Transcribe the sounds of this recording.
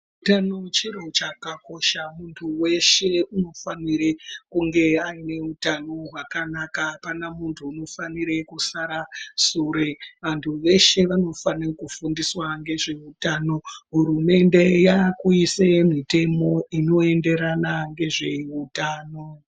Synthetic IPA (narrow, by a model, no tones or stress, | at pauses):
utanot͡ʃiɾot͡ʃakako̞ʃamuntʰuwe̞ʃe̞uno̞faniɾekuŋɡe̞aine̞utano̞ɦwakanakapanamuntʰuːno̞faniɾe̞kusaɾasuɾe̞ʋantʰuʋe̞ʃe̞ʋano̞fanekufundiswaŋɡe̞ʐe̞utano̞ɦuɾume̞nde̞jakuisemite̞mo̞ino̞e̞nde̞ɾanaŋɡe̞ʐe̞utaːno̞